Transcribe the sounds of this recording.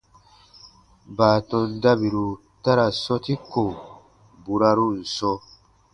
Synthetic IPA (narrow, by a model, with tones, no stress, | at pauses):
baː˨tɔ̃˧nda˦bi˨ɾu˨ | ta˦ɾa˨sɔ˦ti˦ko˨ | bu˨ɾa˧ɾu˦n̩˨sɔ˧